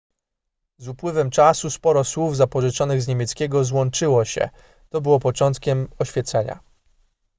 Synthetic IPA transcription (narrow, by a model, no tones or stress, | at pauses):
zupwɘvɛmt͡ʂasuspɔɾɔswuvzapɔʐɘt͡ʂɔnɘɣzɲemʲjɛt̪skʲɛɡɔzwɔnt͡ʂɘwɔɕɛ̰ | t̪ɔbɘwɔpɔt͡ʂɔnt̪kʲɛmɔɕfʲjɛt̪sɛɲa̰